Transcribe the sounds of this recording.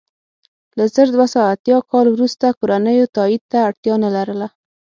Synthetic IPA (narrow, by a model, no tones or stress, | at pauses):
lazəɾd̪wasɑat̪jɑkɑlwɾust̪akoɾanəjot̪ɑid̪̚t̪aːɽt̪jɑnalaɾəla